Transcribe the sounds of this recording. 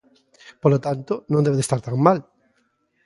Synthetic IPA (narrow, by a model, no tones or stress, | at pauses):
polot̪ant̪onõnd̪eðest̪aɾt̪aŋmal